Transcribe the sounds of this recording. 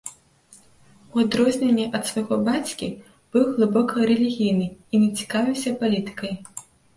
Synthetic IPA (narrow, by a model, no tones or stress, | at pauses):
uad̪ɾɔzʲnʲenʲːɛʔɐt̪svaɣɔbat͡sʲkʲi | b̥ɨwɣlˠɨbɔkʰɐɾɛlʲiɣʲijnɨinʲɛt͡sʲi̥kavʲiwsʲɐpalʲit̪ɨ̥kɐj